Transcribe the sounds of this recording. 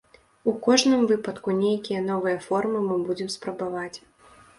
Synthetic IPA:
ukɔʐnɨmvɨpɐt̪kunʲejkʲijɐnɔvɨjɐfɔrmɨmɨbud͡zʲɛmspɾɐbavat͡sʲ

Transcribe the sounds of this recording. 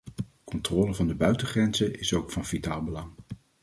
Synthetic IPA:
kɔntrɔːləvɑndəbœɥtəχrɛnzəʔɪsowkfɑnvitaːlˠbəlɑŋ

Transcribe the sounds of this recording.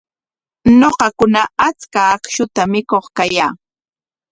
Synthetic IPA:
noɢɑkʊnaat͡skaːkʃʊt̪amɪkoχkajaː

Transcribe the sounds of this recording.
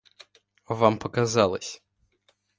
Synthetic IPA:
vampəkazalˠə̰sʲ

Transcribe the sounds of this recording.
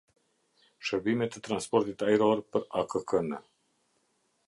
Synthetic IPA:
ʃəɾbimet̪ət̪ɾanspoɾt̪it̪aiɾoɾpəɾakəkənə

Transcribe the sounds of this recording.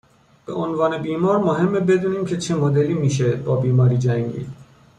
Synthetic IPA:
b̥e̞̰ʔonvɒːne̞biːmɒːɾmoɦe̞mːebe̞d̪uːniːmcʰet͡ʃʰe̞mod̪eliːmiːʃ̬e̞bɒːbiːmɒːɾiːd͡ʒæŋɟḭː

